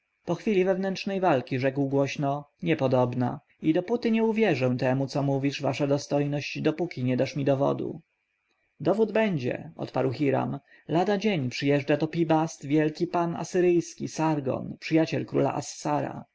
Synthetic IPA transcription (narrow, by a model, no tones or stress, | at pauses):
pɔxfʲilʲivɛvnɛntʂnɛjvalkʲiʐɛkwɡwɔɕnɔɲɛpɔd̪ɔbna̰ | id̪ɔput̪ɘɲɛuvʲjɛʐɛw̃t̪ɛmut̪sɔmuvʲiʂvaʂad̪ɔst̪ɔjnɔɕd͡ʑd̪ɔpukʲiɲɛd̪aʂmʲid̪ɔvɔ̰d̪ṵ | d̪ɔvud̪bɛɲd͡ʑɛ̰ɔ̰t̪pa̰ɾwxʲiɾa̰m | lad̪ad͡ʑeɲpʂɘjɛʐd͡ʐat̪ɔpʲibast̪vʲjɛlkʲipana̰sɘɾɘjskʲisaɾɡɔ̰npʂɘjat͡ɕɛlkɾṵla̰ʔasːaɾa̰